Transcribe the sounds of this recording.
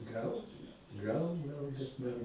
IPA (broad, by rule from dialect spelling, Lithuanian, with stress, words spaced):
ˈɡɐlˠ ˈɡɐlˠ ˈɡɐlˠ bʲɛt ˈmɐn